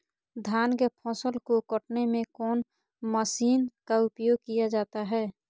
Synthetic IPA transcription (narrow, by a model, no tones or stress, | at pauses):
d̪ʱjaːnkepʰɔ̃ːsəlkokəʈnemẽkɔːn | məsiːnkaʊpjoːɡ̚kijad͡ʒaːt̪aɦɛː